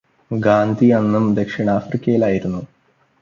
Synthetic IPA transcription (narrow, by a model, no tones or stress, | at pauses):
ɡaːnd̪ʱiɐnːumd̪e̞kʂiɳɐaːfrikʲːɐjilaːjiɾunːu